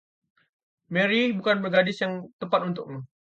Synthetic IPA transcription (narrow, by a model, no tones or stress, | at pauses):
mɛɾibukanbərɡadɪsjaŋt̪əpat̪unt̪ʊ̰k̚mu